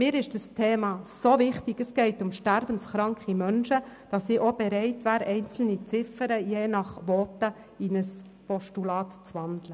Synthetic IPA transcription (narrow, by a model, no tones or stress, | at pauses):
mɪːɾɪʃd̥əstʰeːmɑːsovɪχtɪɡəsɡɛɪtʊmʃtæɾbən̩sχɾɑŋkχimœnʃəd̥ɑsːiʔobɛɾɛɪtʋæːɾʔɛɪnt͡sl̩nit͡sɪfəɾəjeːnɑχʋɔːtə | inəs | pɔʃtulɑːtt͡sʋɑndlə